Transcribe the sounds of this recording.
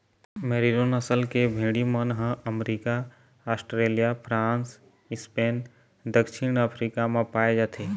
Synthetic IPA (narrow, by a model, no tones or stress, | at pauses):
meɾiɾonəsəlkebʱĩːɽimənɦə̃əmɾikaː | sʈɾelijapʰɾãns | ispen | d̪əkʃʰinəpʰɾikamẽpaːed͡ʒat̪ʰe